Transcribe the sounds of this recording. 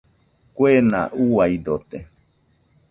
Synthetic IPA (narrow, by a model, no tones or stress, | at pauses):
kʷena̰ʔuwaid̪ot̪e